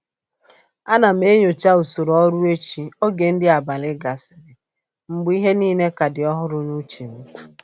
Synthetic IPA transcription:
a˦na˨m̩˦e˦ɲo˨t͡ʃa˦u˨so˨ɾɔ˦ɾu˦e˦t͡ʃi˨o˦ɡe˨n̩˦dɪ˦a˨ba˨lɪ˦ɡa˨sɪ̥˨ɾɪ˨ | m̩˨ɡ͡bi˦ɦe˦niː˦ne˦ka˨dɪ˨ɔ˦ɦʊ˦ɾʊ˦ɲu˦t͡ʃi˨m̩˦

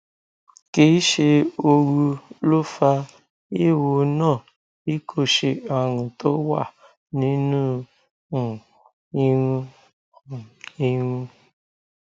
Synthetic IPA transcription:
ke˦i˦ʃe˧o˧ɾu˧lo˦fa˧ | e˦˨wo˨nãː˦˨ | i˦kʰo˦ʃe˨ɔ˨ɾũ˨to˦wa̰˦˨ | nĩ˦nũ˦˨ | i˦ɾũ˦˨ | i˦ɾũ˦

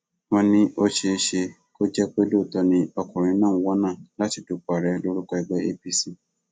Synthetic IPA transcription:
wɔ̃˧nĩ˦ʔo˦ʃe˧ʃe˧ | ko˦d͡ʒɛ˦k͡pe˦lo˦˨tɔ˧nĩ˦ɔ˧kɔ̃˨ɾ̃ĩ˧˦nãː˦˨ũ˨˦wɔ˦nãː˦˨la˦ti˨˧tu˨k͡pa˨ɾɛ˨˧lo˦ɾu˦kɔ˧ɛ˧ɡ͡bɛ˦e˦pi˧si˨

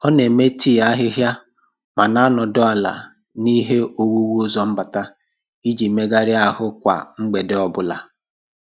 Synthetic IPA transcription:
ɔ˦ne˨me˦ti˦˨a˦ɦɪ˦ɦja˦ | ma˨na˦nɔ˨dɔ˦a˨la̰˨ | ni˦ɦe˦o˦wu˦wu˦ʊ˦zɔ˦m̩˦ba˨ta˦ | i˦d͡ʒi˨me˦ɡa˦ɾɪ˦a˨ɦʊ˦kʷa̰˨ŋ͡m̩˦ɡ͡be˨de˦ɔ˨bʊ˦la̰˨

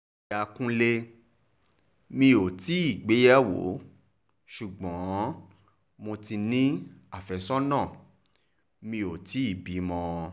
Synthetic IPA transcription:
a˨kũ˦le˧ | mĩ˧o˨ti˨˦i˦˨ɡ͡be˨˦ja˦wo̰˨˦ | ʃu˨ɡ͡bɔ̃˨˦ | mo˧ti˧nĩ˦a˦˨fɛ˧˨sɔ˦nãː˦˨ | mĩ˧o˨ti˨˦i˦˨bi˨˦mɔ̃˧

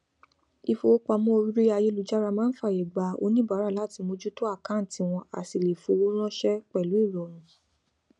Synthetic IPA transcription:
i˧fo˧o˦k͡pa˧mɔ̃˦o˧ɾi˦ɾi˦a˧je˦lu˨˧d͡ʒa˦ɾa˧mãː˦n̩˦fa˦˨e˨ɡ͡ba˨˦o̰˧nĩ˦ba˨˦ɾa˦˨la˨˦ti˧mo˧d͡ʒu˦to˦a˦˨kã˨˦n̩˨ti˧w̃ɔ̃˧a̰˨ti˧˨le˨fo˨˧wo˦ɾ̃ɔ̃˦ʃɛ˦k͡pɛ˦˨lu˨˦i˦˨ɾɔ˨ɾ̃ũ˨˦

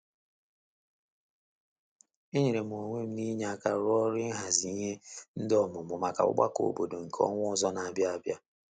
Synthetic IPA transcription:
i˦ɲe˨ɾe˨m˨o˨ŋʷe˦m̩˦ni˦ɲ˦a˦˨ka˦ɾɔ˦ɾɪ˦ɦa˨zi˨˦ɲe˦n̩˦dɔ˦mʊ˨mʊ˨ma˨ka̰˨ʊ̰˦ɡ͡ba̰˦ko̰˨˦bo˨do˨ŋ̩˨kʰɔ̰˦ŋʷʊ˦ʊ˦zɔ˦na˨a˨bja˦a˦bja˦

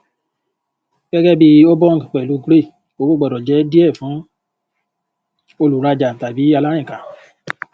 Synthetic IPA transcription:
ɡ̥ɛ˦ɡɛ˦bi˧o˦bɔ˦ŋɡk͡pɛ˨lu˨˦ɡɾe˦˨ | o˨˦bo˦ɡ͡bɔ˨dɔ˨d͡ʒɛ˨˦di˦ɛ˦˨fũ˨˦ | o˧lu˨ɾa˧d͡ʒa˨ta˨bi˨˦a˧la˦jɛ̃˦˨ka˨

